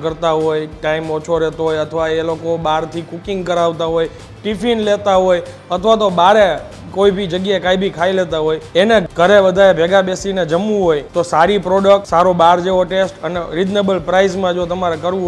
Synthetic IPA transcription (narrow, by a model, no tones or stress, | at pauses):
kəɾt̪aɦojʈaimot͡ʃʰoɾɛt̪oɦojət̪ʰəʋaelokoɓaɾt̪ʰikukiŋɡkəɾaʋt̪aɦoj | ʈifinlet̪aɦoj | ət̪ʰəʋat̪̬oɓaɾe | koibʱid͡ʒəɡjaekaibʱikʰailet̪aɦojeneɡ̥ʱəɾebəd̪ʱaɾebʱɛɡabesined͡ʒəmːũɦojt̪osaɾipɾoɖək̚ʈsaɾoɓaɾd͡ʒeoʈesʈəneɾid͡ʒnebəlpɾaizmãd͡ʒot̪əmaɾekəɾʋũ